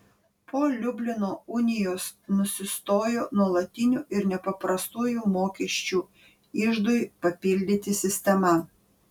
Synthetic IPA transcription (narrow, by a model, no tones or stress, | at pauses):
pʰoːlʲʊbʲlʲɪnoːʊnʲɪjoːsnʊsʲɪst̪oːjoːnuɔlˠɐt̪ʲɪnʲuːʔɪɾnʲɛpɐpɾɐst̪uːjuːmoːkʲɛʃʲt͡ʃʲuː | ɪʒd̪ʊjpɐpʲɪlʲd̪ʲɪt̪ʲɪsʲɪsʲt̪ʲɛmɐ